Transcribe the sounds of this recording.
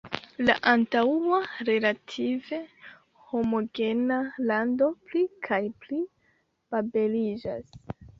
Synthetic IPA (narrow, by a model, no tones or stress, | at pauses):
la̰ʔantaaɾe̞latʰive̞ | ho̞mo̞ɡe̞nalando̞plikʰajpli | b̥abe̞lid͡ʒa̰s